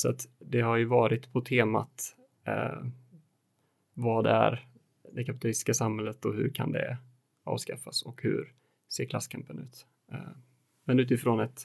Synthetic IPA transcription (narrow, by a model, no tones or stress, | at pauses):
sɔat̪d̪ɛɦaɾjɵvɑːɾɪt̪pʰɔt̪ʰeːma̰t̪ | vɑːd̪ɛæ̰ɾ | d̪ɛkʰapɪt̪ʰalɪst̪ɪ̥skasamhɛlːət̪ɔhɵ̟ɾkʰa̰nd̪ɛ̰ | ɑ̰ːvskafasɔkhɵ̰ɾ | seːɾkʰlasːkʰampənʉ̟ːt̪ | mɛnʉ̟ːt̪̬ɪfɾoːnɛt̪